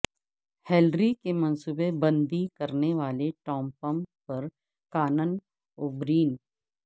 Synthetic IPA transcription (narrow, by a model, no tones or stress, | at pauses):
helɾikemɐnsubebɐ̃nd̪ikɐɾneʋaːleʈɔːmpəmpɐɾ | kaːnən | ʊbɾiːn